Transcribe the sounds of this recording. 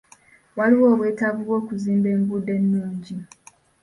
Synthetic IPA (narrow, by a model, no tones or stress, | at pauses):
waliwo̞ːβwe̞ːtavuβwo̞ːkuziːmbe̞ːmbude̞nːuːɲɟi